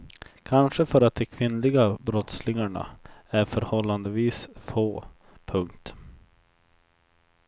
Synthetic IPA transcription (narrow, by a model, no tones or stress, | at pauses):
kʰanʂəfœɾat̪̚d̪ɛkʰvɪnːlɪɡabɾɔt̪slɪŋaɳa̰æɾfœɾhɔlːand̪əviːsfoː | pʰɵŋkt̪